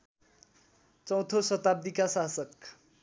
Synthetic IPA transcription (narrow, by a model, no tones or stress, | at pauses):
t͡sʌ̃w̃t̪ʰosʌt̪ab̚d̪ikasasʌk